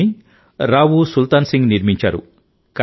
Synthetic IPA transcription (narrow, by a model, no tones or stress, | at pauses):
i | ɾaːʋusult̪aːnsiŋɡniɾmiɲt͡ʃa̰ːɾṵ | ka